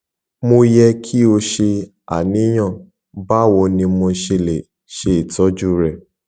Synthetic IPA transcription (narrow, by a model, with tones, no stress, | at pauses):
mo˧jɛ˧kʰi˦o˧ʃe˧ | a̰˨nĩ˨˦j̃ã˦˨ | ba˦˨wɔ˧nĩ˧mo˧ʃe˧le˨ | ʃe˧i˨tɔ˨˦d͡ʒu˦ɾɛ˦˨